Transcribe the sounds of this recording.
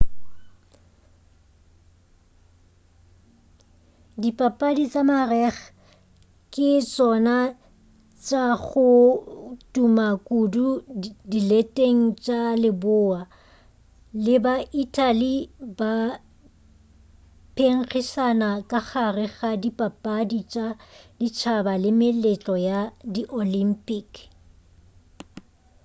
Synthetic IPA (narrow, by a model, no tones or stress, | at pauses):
dipʼapʼadit͡sʼamarɛχ | kʼɪt͡sʼɔna | t͡ʃʼaɣʊ | tʼumakʼududilɛtʼeŋ̩t͡ʃʼalɪbʊa | lɪbaʔitʰʼaliba | pʰeŋ̩χisanakʼaχarɪɣadipʼapʼadit͡ʃʼadit͡ʃʰabalɪmɪlɛt͡ɬʼɔjadiʔolim̩pʼik